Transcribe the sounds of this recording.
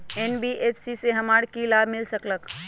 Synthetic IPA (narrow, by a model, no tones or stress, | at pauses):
enbiʔeːpʰsiseɦəmaːɽkilaːbʱmɪlsəklək